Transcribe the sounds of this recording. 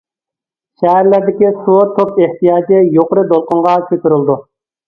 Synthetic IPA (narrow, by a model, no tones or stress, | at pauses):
ʃɛɦæɾlæɾd̪ɪkʲisut̪ʰːopeht̪ijɑːd͡ʒɪjoqəɾɨd̪olˠqʊɴʁɑkʲʰøt̪yɾɪlˠd̪u